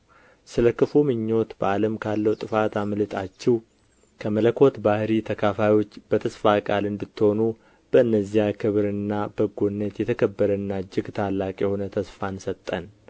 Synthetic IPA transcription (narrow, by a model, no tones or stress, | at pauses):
sɨləkʰːɨfumɨɲːo̞t̪bəaləmkʰalːəwt̪ʼɨfat̪amlɨt̪ʰʼat͡ʃːɛw | kʰəmələkʰo̞t̪bahɾit̪ʰəkʰafajwo̞t͡ʃːb̥ət̪ʰəsfakʼalɨnd̪ɨt̪ːho̞nu | b̥əɨnːəzːijakʰɨβɾɨnːabəɡonːət̪jɛt̪ʰəkʰəbːəɾənːad͡ʒɪɡt̪ʰalːakʼjɛho̞nət̪ʰəsfansət̪ʼːən